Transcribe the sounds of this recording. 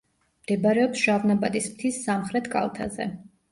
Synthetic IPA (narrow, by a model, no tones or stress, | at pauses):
md̪̥ɛbaɾɛɔpsʒ̥avnabad̪ismt̪ʰisːamχɾɛt̪ʰkʼa̰lˠt̪ʰa̰zɛ̰